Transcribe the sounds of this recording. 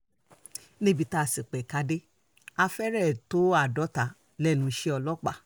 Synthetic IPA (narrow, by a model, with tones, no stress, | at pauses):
nĩ˦bi˧ta˦˧˨si˨k͡pɛ˨ka˨˧de˦ | a˧fɛ˦ɾɛ˦˨to˦a˦˨dɔ˨˦ta˨ | lɛ˦˨nũ˨˧ʃe˦ɔ˧lɔ˦k͡pa˦˨